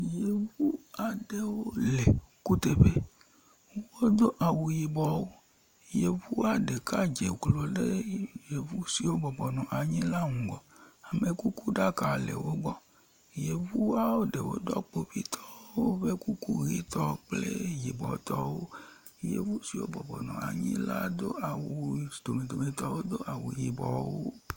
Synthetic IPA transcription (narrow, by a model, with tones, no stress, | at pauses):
je˨vu˦a˨ɖe˦wo˦le˨ku˦t̪e˨ɸe˦ | wo˦d̪o˦ʔa˨wu˨ji˨bɔ˨wo˦ | je˨vu˦a˨ɖe˨ka˦d͡ʒe˨klo˨ɖe˦je˨vu˦si˨wo˦bɔ˨bɔ˨nɔ̃˨ʔa˨ɲĩ˦la˦ŋũ˨ɡɔ˨a˨me˨ku˦ku˦ɖa˦ka˨lḛ˨wo˦ɡ͡bɔ˦ | je˨vu˦a˦wo˦ɖe˨wo̰˦d̪ɔ˦k͡po˨ɸi˦t̪ʰɔ̥˦wwo˦ve˦ku˦ku˦ɣi˦t̪ɔ˦k͡plḛ˦ji˨bɔ̰˨t̪ɔ˦wo˦ | jḛ˦˨vu˦si˨wo̰˦bɔ˨bɔ˨nɔ̰̃˨a̰˨ɲḭ̃˦la̰˦d̪o˦a˨wu˨d̪̥o˨me˨d̪o˨mẽ˨t̪ɔ˦wo˦d̪o˦ʔa˨wṵ˨ji˨bɔ̰˨wo˦